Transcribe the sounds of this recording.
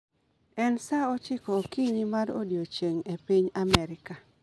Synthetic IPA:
ɛnsaɔt͡ʃɪkɔːkiɲimaɾo̰djot͡ʃeŋepiɲamɛɾɪka

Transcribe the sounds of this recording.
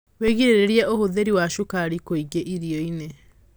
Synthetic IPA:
weɣiɾeɾeɾjɛʔohoðeɾiwaʃukaɾikoiɡeʔiɾiɔine

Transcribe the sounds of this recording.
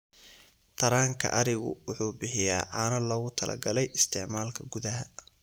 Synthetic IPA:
t̪ʰɐɾaːŋkʰɐ̰ʔɐɾɪɣʊ̰wʊħuːbɪħɪja̰ːʕɑːnɐlɔːɣʊt̪ʰɐlʔɐ̰ɡɐlɛjɪst̪ʰɪʕmaːlkʰɐɡʊðɐɦɐ

